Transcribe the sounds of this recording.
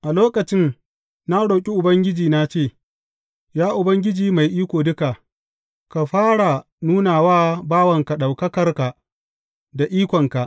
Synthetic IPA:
ʔa˨loː˦kɐ˨t͡ʃɪ˦n | na˦ɽoː˨kʲʼi˦ʔʊ˨bɐ˦ŋɡʲɪ˦d͡ʒiː˨na˦t͡ʃeː˦˨ | jaː˦ʔʊ˨bɐ˦ŋɡʲɪ˦d͡ʒiː˨ma˨jʔiː˦kʷoː˨dʊ˦ka˨ | ka˨ɸaː˦ɽa˨ | nuː˦naː˨waː˦baː˦wɐ˨ŋka˨ɗa˨wkɐ˦kɐ˦rka˨ | da˨ʔiː˦kʷɔ˨ŋka˨ʔ

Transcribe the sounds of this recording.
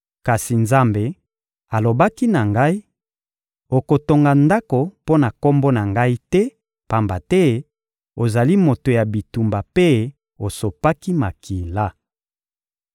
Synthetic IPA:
ka˨si˨nza˦mbe˨ | a˨lo˨ba˦ki˦na˨ŋɡa˦i˦ | o˨ko˨to˨ŋɡa˨nda˦ko˨po˦na˨ko˦mbo˦na˨ŋɡa˦i˦tɛ˦ | pa˨mba˨tɛ˦ | o˨za˨li˦mo˨to˨ja˨bi˨tu˨mba˨pe˦ | o˨so˨pa˦ki˦ma˨ki˨la˦

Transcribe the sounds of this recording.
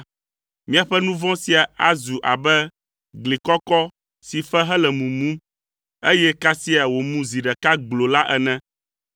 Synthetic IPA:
mĩ˦a˨ɸɛ˦nũ˦vɔ̃˦si˦a˨a˦zu˨ʔa˨bɛ˦ | ɡli˨kɔ˦kɔ˦ | si˨fɛ˦ɦɛ˦lɛ˨mũ˨mũ˦ | e˦jɛ˦ka˦si˦a˨wo˨mũ˦zi˨ɖɛ˨ka˦ɡ͡blo˨la˦ʔɛ˨nɛ̃˦

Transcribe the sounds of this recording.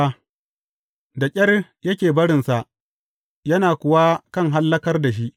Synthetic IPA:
a˦ | da˨kʲʼɐ˦rjɐ˦kʲeː˨bɐ˦ɽɪ˨nsa˨ʔ | jɐ˦naː˨kʷʊ˨wa˦kɐ˦˨ŋɦa˦lːɐ˦kɐ˦rda˨ʃ̬i˦ʔ

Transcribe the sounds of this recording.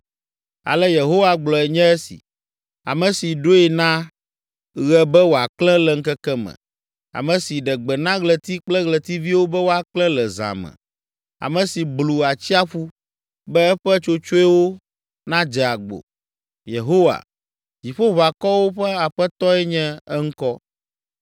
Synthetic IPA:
a̰˨lɛ˦je˨ɦo˦wa˨ɡ͡blɔ˨ɛ˨ɲɛ̃˦ɛ˦sḭ˨ | a̰˨mɛ̃˨si˨ɖo˦ɛ˨nã˦ | ɣɛ˨bɛ˦wo˨a˨klɛ̃˦lɛ˨ŋ̩˦kɛ˦kɛ˦mɛ̰̃˨ | a̰˨mɛ̃˨si˨ɖɛ˨ɡ͡bɛ˨nã˦ɣlɛ˨t̪i˦k͡plɛ˦ɣlɛ˨t̪i˦vi˦wo˦bɛ˦wo˦a˨klɛ̃˦lɛ˨za̰˨mɛ̰̃˨ | a̰˨mɛ̃˨si˨blu˨a˨t͡ɕi˦a˦ɸu˦ | bɛ˦ɛ˦ɸɛ˦t͡ʃo˦t͡ʃo˦ɛ˦wo˦ | nã˦d͡ʒɛ˨a˨ɡ͡bo̰˨ | je˨ɦo˦wa̰˨ | d͡ʑi˨ɸo˦βa˨kɔ˦wo˦ɸɛ˦a˨ɸɛ˦t̪ɔ˦ɛ˦ɲɛ̃˦ɛ˦ŋ̩˦kɔ˦

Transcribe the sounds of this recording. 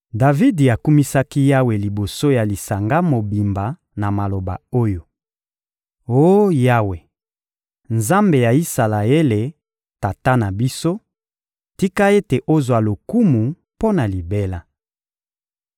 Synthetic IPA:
da˨vi˦di˨a˨ku˦mi˦sa˦ki˦ja˦we˨li˨bo˨so˦ja˨li˨sa˨ŋɡa˦mo˨bi˨mba˨ | na˨ma˨lo˨ba̰˨o˦jo˨ | o˦ja˦we˨ | nza˦mbe˨ja˨i˦sa˨la˨e˦le˨ | ta˨ta˦na˨bi˦so˦ | ti˦ka˦e˦te˨ʔo˦zwa˨lo˨ku˦mu˨ | po˦na˨li˨be˦la˦

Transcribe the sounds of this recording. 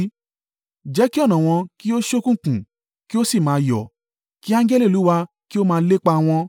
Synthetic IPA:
d͡ʒɛ˨˦ki˦ɔ˦˨nã˨w̃ɔ̃˧ki˦o˦ʃo˦kũ˦˨kũ˨ | ki˦o˦si˦˨mãː˨˧˦jɔ˨ | ki˦ã˦ŋd͡ʒɛ˦li˦˨u˨˦wa˧ | ki˦o˦mãː˧˦le˦k͡pa˧w̃ɔ̃˧

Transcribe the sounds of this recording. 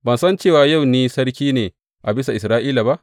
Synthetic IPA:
bɐ˨nsɐ˦nt͡ʃeː˦˨waː˨ja˦˨wniː˦sɐ˦rkʲiː˦neː˨ | ʔa˨bɪ˦sa˨ʔɪ˨sɾaː˦ʔiː˦la˨ba˦ʔ

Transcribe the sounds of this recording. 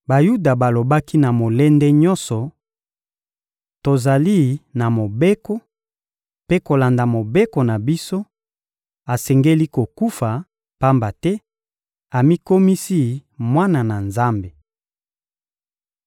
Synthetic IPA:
ba˨ju˦da˨ba˨lo˨ba˦ki˦na˨mo˨lɛ˦ndɛ˦ɲɔ˦nsɔ˨ | to˨za˨li˦na˨mo˨be˦kɔ˦ | pe˦ko˨la˨nda˨mo˨be˦kɔ˨na˨bi˦so˦ | a˨sɛ˨ŋɡe˦li˦ko˨ku˦fa˨ | pa˦mba˨tɛ˦ | a˨mi˦ko˦mi˦si˦mwa˦na˨na˨nza˦mbe˨

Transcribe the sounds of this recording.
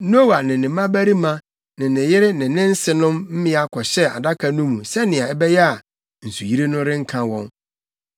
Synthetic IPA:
no˦wa˨nɪ̃˨nɪ̃˨˦mã˦bæ˦ɾi˦mã˦ | nɪ̃˨nɪ̃˨jɪ˦ɾɪ˦nɪ̃˨nɪ̃˦n̩˦sɪ˨nʊ̃˦mm̩˦mɪ̃˦a˨kʰɔ˨ɕɛ˦a̰˨da˦kʰa˨nʊ̃˦mũ˨sɛ˦nɪ̃˨ã˨ɛ˦bɛ˦jɛ˦a˨ | n̩˨su˨ji˦ɾe˦nʊ̃˦ɾɪ̃˦ŋ̩˦kʰã˨wɔ̃˦n

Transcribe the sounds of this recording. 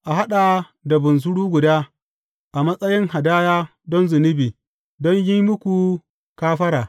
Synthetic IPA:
ʔa˨ɦa˦ɗa˨ | da˨bʊ˨ns̬ʊ˦ɽuː˦ɡʷʊ˨daː˦ | ʔa˨mɐ˦sʼɐ˦jɪ˦ŋha˨daː˦jaː˦ | dɔ˦nzʊ˨nɪ˦biː˨ | dɔ˦ɲjɪ˦mʊ˦kʷu˨ | kaː˦ɸɐ˦ɾaː˨

